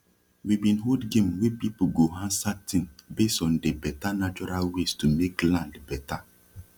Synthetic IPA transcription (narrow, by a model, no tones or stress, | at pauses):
wibĩnɦodɡẽmwepip̩ɡoɦãnsatĩŋbesɔ̃ndebɛtanat͡ʃɔɾalwestumeklãndbɛta